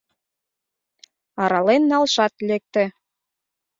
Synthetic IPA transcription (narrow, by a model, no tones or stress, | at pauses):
ɑɾɑlenːɑlʃɑt̪lek̚t̪ɘ̆